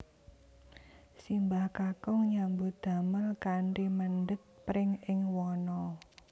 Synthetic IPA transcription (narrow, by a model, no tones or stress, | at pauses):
simbahkakɔŋɲambud̪̥ä̤məlkaɳʈimənɖət̪̚pɾɪŋɪŋwɔnɔ